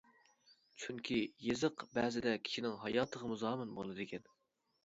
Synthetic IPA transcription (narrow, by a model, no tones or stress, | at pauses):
t͡ʃʰyŋkʲʰijezɨqbæːzɪd̪ɛkʲʰi̥ʃinɪŋɦɑjɑːt̪ʰəʁəmuzɑːmɨnbo̰lˠɨd̪ɨkʲʰɛn